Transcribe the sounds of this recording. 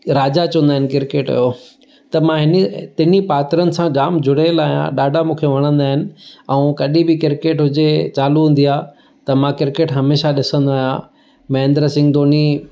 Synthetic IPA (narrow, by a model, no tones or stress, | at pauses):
ɾaːd͡ʑat͡ɕɐ̃ũnd̪aːɦɪnɪ̆kɪɾkeːʈɐ̰jo | t̪ɐmãɦɪnət̪ɪnipaːt̪ɾənɪ̆sãd͡ʑaːmd͡ʑʱʊɽelaːijã̰ɗaːɖʱamũːkʰeʋɐɽ̃ə̃nd̪aːɦɪnɪ̆ɛ̃ũkɐɗĩbɪkɪɾkeːʈɦʊd͡ʑet͡ɕaːluɦũːn̆d̪ijaː | t̪ɐmãkɪɾkeːʈɦɐmeːʃaɗɪsə̃nd̪aːɦijã̰ | mɐ̃ɦɪ̃nd̪ɾəsɪ̃ŋɡd̪oːni